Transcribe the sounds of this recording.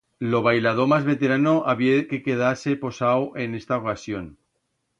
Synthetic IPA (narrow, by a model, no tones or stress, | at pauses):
lo̞β̞ajlað̞o̞mazβe̞t̪e̞ɾano̞ʔaβjeke̞ke̞ð̞ase̞po̞sawʔe̞ne̞st̪aokasjo̞n